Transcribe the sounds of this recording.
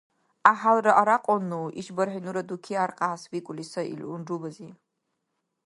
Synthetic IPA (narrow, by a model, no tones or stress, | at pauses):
aħalrɐʔaɾaqʼɔnːuʔḭʃbɐɾħinuɾɐd̪ukʰiaɾqʼaːswikʷʼlisɐḭlʔunɖ͡ʐubɐzi